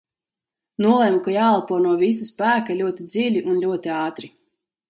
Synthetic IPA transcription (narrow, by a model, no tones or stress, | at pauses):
nuɔlˠɛmkajaːlˠapuɔnuɔvis̬aspæːkalʲuɔt̪ʲid̪zilʲiʔunlʲuɔt̪iɑːt̪ɾi